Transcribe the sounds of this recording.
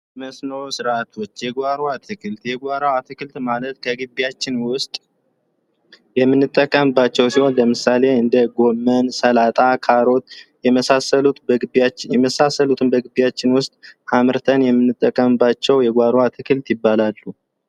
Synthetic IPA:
məsnoɾsɨɾat̪ʰo̞t͡ʃːjɛɡʷaɾoat̪ʰɨkʰɨlt̪jɛɡʷaɾawat̪ʰɨkɨlt̪malət̪kʰəɡɨbːijat͡ʃːɪnwʊst̪ʼ | jɛmːɨnːɨt̪ʼːəkʼːəmɨbːat͡ʃːɛwsiho̞nləmɨsale̞ɨnd̪əɡo̞mːənsəlat̪ʼakʰaɾo̞t̪jɛməsasəlut̪jɛməsasːəlut̪ʰɨmbəɡɨbijat͡ʃːɪnwʊst̪ʼamɨɾt̪ʰənjɛmːɨnːɨt̪ʼːəkʼːəmɨbːat͡ʃːɛwjɛɡʷaɾwat̪ʰɨkʰɨlt̪jɪbːalalːu

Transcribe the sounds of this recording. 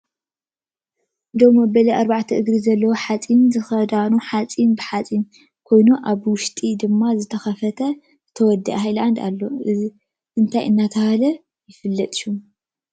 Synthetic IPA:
d̪o̞mːɐbɐlɐʔaɾbaʕt̪ʰɐʔɨɡɾizɐlːɐwoħat͡sʼinzɨxɐd̪anuħat͡sʼinbɨħat͡sʼin | kʰo̞jnuʔaβwʊʃt̪ʼid̪ɨmːazɨt̪ʰɐxɐfɐt̪ʰɐ | zɨt̪ʰɐwɔd̪ːɐ̰ʔɦajland̪a̰lːo̞ʔɨzi | ʔɨnt̪ʰajʔɨnːat̪ʰɐhalɐ | jɪfɨlːɐt̪ʼju

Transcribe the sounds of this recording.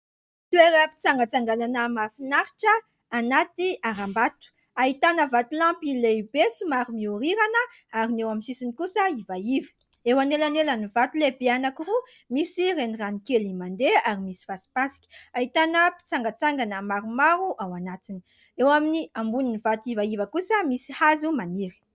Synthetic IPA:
t̪ueɾəpi̥t͡saŋɡət͡saŋɡalanəmafinaɾiʈ͡ʂəː | nat̪iaɾambat̪u̥ | aɦit̪anəvat̪ulãmpilebesimaɾumiuɾiɾanə | aɾinewaminsisinikusəivaivi̥ | ewanelanelənivat̪ulebeanakiru | misireniranikelimand̪eaɾimisi̥vasi̥pasi̥kʲi̥aɦit̪anəpi̥t͡saŋɡat͡saŋɡanəmaɾumaɾuʔawanat̪ini | ewaminiambuninivat̪uivaivəkusəmisi̥hazumaniɾi̥

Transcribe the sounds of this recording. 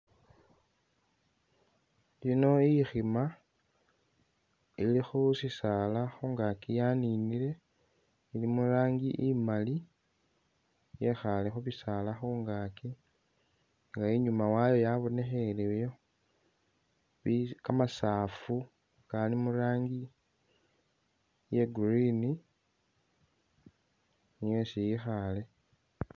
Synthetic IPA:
lino̞ixima | ilixusisalaxuːŋɡakijaninile̞ | ilimuɾaːŋɡiʔimali | jexalexuβisalaxuːŋɡaki | ŋɡaeɲumawajo̞jaβo̞ne̞xelejo | βikamasaːfu | kalimuɾaːŋɡi | je̞ɡurini | nijesijixale̞

